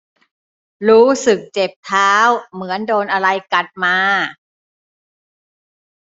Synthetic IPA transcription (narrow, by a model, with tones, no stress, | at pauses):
ɾuː˦˥sɯ˨˩k̚t͡ɕe˨˩p̚t̪ʰaː˦˥wmɯ˩˦əndoː˧nʔa˧ɾa˧jka˨˩t̪̚maː˧